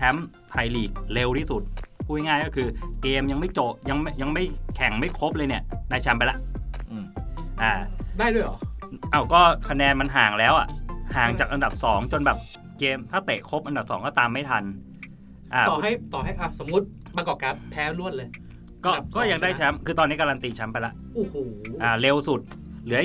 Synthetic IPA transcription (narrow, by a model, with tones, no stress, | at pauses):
t̪ʰɛ˦˥m | pʰa˧˩jliː˨˩k̚le˧wt̪ʰiː˥˩su˨˩t̪̚pʰuː˧˩jŋaː˥˩jkɔː˥˩kʰɯː˧keː˧mja˧ŋma˥˩jt͡ɕo˨˩p̚ja˧ŋma˥˩jja˧ŋma˥˩jkʰɛ˨˩ŋma˥˩jkʰo˦˥p̚lɤː˧jni˥˩ədaː˥˩jt͡ɕʰɛ˦˥mpa˧la˦˥ʔʔɯː˧˩mʔaː˧˩daː˥˩jdu˥˩əjʔɔ̰ː˨˩˦ʔa˧˩wkɔː˥˩kʰa˧nɛː˧nma˧nɦaː˨˩ŋlɛː˦˥wʔa̰˨˩ʔhaː˨˩ŋt͡ɕaː˨˩k̚ʔa˧nda˨˩p̚sɔː˩˦ŋt͡ɕo˧nbɛː˨˩p̚ | keː˧mt̪ʰaː˥˩wt̪e˨˩ʔkʰo˦˥p̚ʔa˧nda˨˩p̚sɔ̰ː˩˦ŋkɔː˥˩t̪aː˧mːa˥˩jt̪ʰa˧n | ʔaː˧˩t̪ɔː˨˩ɦa˥˩jt̪ɔː˨˩ɦa˥˩jʔa˧˩so˩˦mːu˦˥t̪̚ | ba˧kɔː˨˩ka˨˧˩pʰɛː˦˥lu˥˩ən̚lɤː˧j | kɔː˥˩˨kɔː˥˩ja˧ŋdaː˥˩jt͡ɕʰa˦˥mkʰɯː˧t̪ɔː˧nːi˦˥ka˧laː˧nt̪iː˧t͡ɕʰa˦˥mpa˧jla˦˥ʔʔoː˧˩hoː˨˩˦ʔaː˨˩le˧wsu˨˩t̪̚ | lɯː˩˦˥